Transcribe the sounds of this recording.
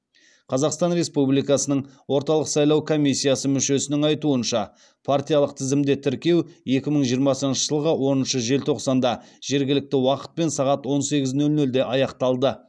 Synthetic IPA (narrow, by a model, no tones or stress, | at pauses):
qʰɑzɑqst̪ɑnɾe̞spublijkɑsənəɴwo̞ɾt̪ɑlˠəqsɑjlˠɑwkʰo̞mʲisʲːijasəmʏʃe̞sɪnɪŋɑjt̪uənʃɑ | pʰart̪ijɑlˠəqt̪ʰɪzɪmd̪et̪ʰɪɾkʲe̞we̞kʲɪməɴʒijəɾmɑsənʃəʒəlˠʁəwo̞nənʃəʒe̞lt̪ʰo̞qsɑnd̪ɑʒ̥e̞ɾɡʲɪlɪk̚t̪ɪwɑqə̥t̪̚pe̞nsɑʁɑt̪wo̞nse̞ɡʲɪznɵlnɵld̪e̞ʔɑjɑqt̪ɑlˠd̪ə